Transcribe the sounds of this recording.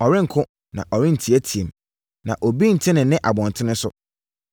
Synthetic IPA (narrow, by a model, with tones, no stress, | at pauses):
ɔ˨ɾɪ̃˦ŋ̩˨kʰʊ̃˦ | nã̰˨ʔɔ˨ɾɪ̃˦n̩˨tʰi˨æ˦tʰi˨e˨m | nã˨ʔo˨bi˦n̩˨tʰɪ̃˦nɪ̃˨nɪ̃˦ʔa˨bɔ̃˨ntʰɪ˦nɪ̃˦sʊ˦